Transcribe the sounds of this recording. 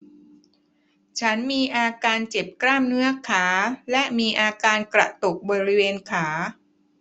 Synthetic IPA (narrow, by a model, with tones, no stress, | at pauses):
t͡ɕʰa˦˥nmiː˧ʔaː˧kaː˧nt͡ɕe˨˩p̚klaː˥˩mnɯ˦˥ɐkʰaː˩˦lɛ˦˥ʔmiː˧ʔaː˧kaː˧nkɾa̰˨˩t̪o˨˩k̚bɔː˧ɾi˦˥weː˧nkʰaː˩˦